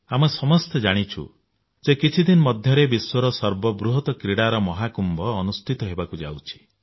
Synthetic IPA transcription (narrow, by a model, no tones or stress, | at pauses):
amɔsɔmɔst̪ed͡ʒaɽ̃it͡ʃʰṵ | d͡ʒekit͡ʃʰid̪inɔmɔd̪ʱjɔɾebiswɔɾɔsɔɾbɔbɾuɦɔt̪ɔkɾiɽaɾɔmɔɦakumbɔːnust̪ʰit̪ɔɦebakud͡ʒa̰wt͡ʃʰi̥